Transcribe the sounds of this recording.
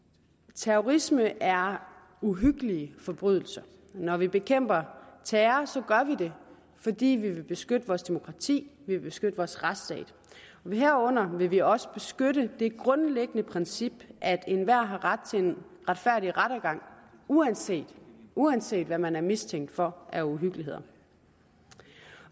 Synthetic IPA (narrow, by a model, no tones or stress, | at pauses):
t͡sʰæoʁisməʔæɐ | uɦyɡ̥əliəfɒ̽b̥ʁyð̞̰ˠl̩sɐ | nɒʋib̥e̝kʰem̰b̥ɐt͡sʰɛːɐsɒ̽ɡ̥ɶɐʋid̥e̝ | fɒ̽d̥ḭːʋiʋe̝b̥e̝sɡ̥ød̥əʋɒːsd̥e̝mo̝kʰʁɑ̈t͡sʰḭːʋiʋe̝b̥e̝sɡ̥ød̥əʋɒːsʁad̥sd̥ɛ̰ːd̥ | ɒɦæɐ̰ɔ̽n̰ɐʋe̝ʋiɒ̽sə̥b̥e̝sɡ̥øɾəd̥e̝ɡ̥ʁɔ̽nleɡ̥ənəpʰʁɛnsib̥ʔæd̥e̝nʋæɐ̰ɦɑ̈ʁad̥̚t͡sʰe̝en | ʁad̥fæɐ̰ɾ̥iʁaɾ̥æɡ̥ɑ̈ŋ̰uænse̝̰ːd̥uænse̝̰ːd̥ʋæmænæɐmist͡sʰeŋ̰d̥fɒ̽ʔæuɦyɡ̥əliɦe̝ð̞̰ˠɐ